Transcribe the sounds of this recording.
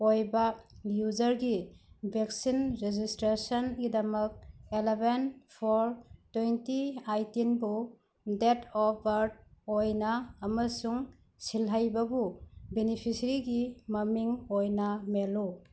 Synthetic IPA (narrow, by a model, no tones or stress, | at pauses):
ojbɐjud͡ʒɐɾɡibʱeksinɾed͡ʒistɾesɐnɡidɐmɐk̚elebenpʰɔɾtwentiajtinbu | detɔpbɐɾd̚ojnɐːmɐsuŋ | silɦajbɐbubenipʰisɐɾiɡimɐmiŋojnɐmelu